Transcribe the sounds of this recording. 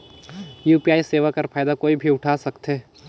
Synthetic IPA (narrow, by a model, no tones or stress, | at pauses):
juːpiaːiseːʋakɐɾfʰaːjd̪akoːibʱiʊʈʰaːsɐkt̪ɦeː